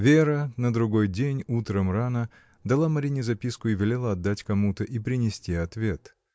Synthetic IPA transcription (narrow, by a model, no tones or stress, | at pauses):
vʲeɾənəd̪ɾʊɡo̞jdʲenʲut̪ɾəmranə | d̪ɐlˠamɐɾʲinʲɪzɐpʲiskʊɪvʲɪlʲelˠəɐd̪ːatʲkɐmut̪əʔipɾʲɪnʲɪsʲtʲiɐt̪vʲe̞t̪